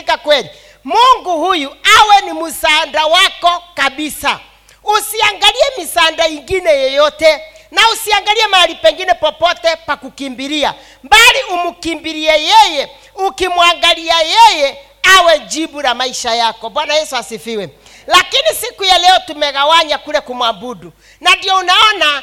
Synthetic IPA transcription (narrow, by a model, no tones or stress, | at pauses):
kakwɛli | muŋɡuhujuawɛnimusandawakɔkabisa | usiaŋɡaliɛmisandaiŋɡinɛjɔjɔtɛnausiaŋɡaliɛmaaɾipɛŋɡinɛpɔpɔtɛpakukimbiɾia̰ | mbaliʔumukimbiɾiɛjɛjɛ | ukimwaŋɡaliajɛjɛ | awɛd͡ʒibuɾamaiʃajakɔɓwanajɛsuasifiwɛ | lakinisikujalɛɔtumɛɣawaɲakulɛkumwabudu | nandiɔunaɔna